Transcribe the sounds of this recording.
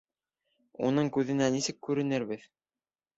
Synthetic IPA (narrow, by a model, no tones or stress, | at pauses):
unɤɴkʉðɘ̆nænisɘkːʉɾɘ̆nɘɾbɘð